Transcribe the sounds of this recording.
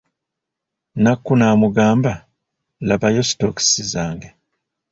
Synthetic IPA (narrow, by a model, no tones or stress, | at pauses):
nakːunaːmuɡaːmba | laβajostoksizaːŋɡe